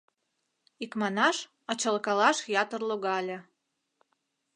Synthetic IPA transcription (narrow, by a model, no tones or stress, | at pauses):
ikmɑnɑʃ | ɑt͡ɕɑlkɑlɑʃjɑt̪ərloɣɑlʲĕ